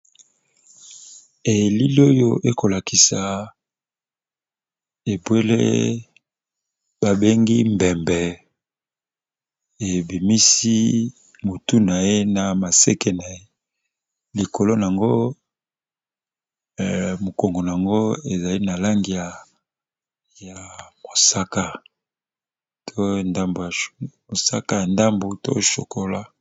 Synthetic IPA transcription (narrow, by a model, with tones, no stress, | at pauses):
e˨li˦li˦o˦jo˦ʔe˦ko˨la˨kʰi˨sa˨ | e˨bwe˦lḛ˦ | b̥a˨be˦ŋɡḭ˦mbɛ˨mbɛ˨ | e˨bi˨mi˦si˦ | mo˨tu˦na˨e˦na˨ma˨se˦ke˦na˨e˦ | li˨ko˨lo˦n˨a˨ŋɡo˦ | mo˨ko˨ŋɡo˨n˨a˨ŋɡo˦e˨za˨li˦na˨la˦ŋɡi˨ja˨ | ja˨mo˨sa˦ka˦ | tʰo˦nda˦mbo˨ja˨ | o˨sa˦ka˦ja˨nda˦mbo˨to̰˦ʃo̰˨kʰo˦la˦